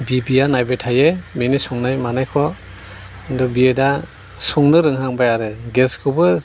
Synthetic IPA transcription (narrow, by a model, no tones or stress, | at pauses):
bibijanajbetʰajeminisuŋnajmanajkʰɔ | ndɔbieda | sɔŋnɯɾɯŋɦaŋbajaɾɯɡeskʰɯbɯ